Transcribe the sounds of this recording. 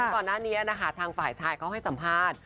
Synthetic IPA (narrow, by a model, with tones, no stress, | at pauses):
kɔː˨˩nːaː˥˩niː˦˥ʔa˧˩na˦˥kʰa˦˥t̪ʰaː˧ŋfaː˨˩jt͡ɕʰaː˧jkʰa˦˥whɦa˥˩jsa˩˦mpʰaː˥˩t̪̚